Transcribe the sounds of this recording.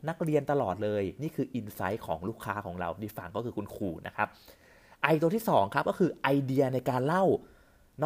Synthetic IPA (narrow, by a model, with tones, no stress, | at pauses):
na˦˥k̚ɾi˧ənt̪a˧lɔː˨˩t̪̚lɤː˧jniː˥˩kʰɯː˧ʔi˧nsa˦˥jkʰɔ̰ː˩˦ŋluː˥˩kʰːaː˦˥kʰɔː˩˦ŋɾa̰˧wdiː˧˩fa˧˩ŋkɔː˥˩kʰɯː˧˩ku˧nkʰuː˧˩na̰˦˥kʰa˦˥p̚ | ʔa˧jt̪u˧t̪ʰiː˥˩sɔː˩˦ŋkʰa˦˥p̚kɔː˥˩kʰɯː˧ʔa˧jdi˧ɐna˧jkaː˧nla˥˩w | nɔ˦˥